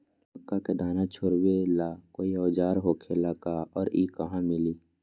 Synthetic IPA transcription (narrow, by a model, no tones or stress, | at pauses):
pəkːaked̪aːnat͡ʃʰoɾwelaːkoːiɔːd͡ʒaːɾɦoːkʰelakaɔːɾiːkɐɦãmɪliː